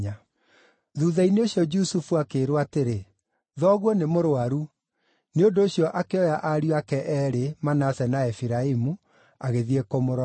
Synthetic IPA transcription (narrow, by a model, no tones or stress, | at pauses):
a | ðuðaineoɕjɔd͡ʒusufuakeːɾowateɾe | ðɔːɣwɔnemoɾoaɾu | neondoːɕiɔʔakeɔjaʔaɾiakɛʔɛɾemanasɛnaɛfiɾaimu | aɣeðiɛkomoɾ